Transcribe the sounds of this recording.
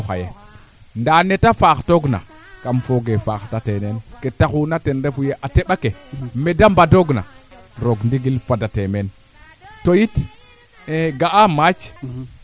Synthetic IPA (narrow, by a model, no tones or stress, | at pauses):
xa̰je | ndanetafaxtoɡna̰ | kamfoɡefaxtatenenketaxunatenɾefujeʔateɓakemedambadoɡna̰ɾoɡndiɡilfadatemen | tojit | eɡaamat͡ʃ